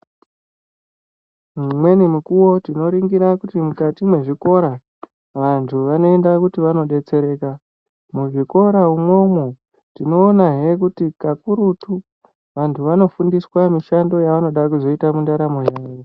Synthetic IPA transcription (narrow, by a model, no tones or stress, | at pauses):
mumwe̞nimukuwo̞tino̞ɾiŋɡiɾakutimukatimwe̞ʐiko̞ɾa | ʋantʰuʋano̞e̞ndakutiʋano̞ɗe̞t͡se̞ɾe̞ːka | muʐiko̞ɾaumwo̞mwo | tino̞ːnaɦe̞k̬utikakuɾutu | ʋantʰuʋano̞fundiswamiʃando̞jaʋano̞ɗakuzo̞itamundaɾamoɦaːjo